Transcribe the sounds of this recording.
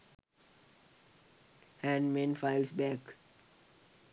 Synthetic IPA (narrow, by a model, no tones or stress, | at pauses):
hæ̃nɖmẽnfaɪlsbæk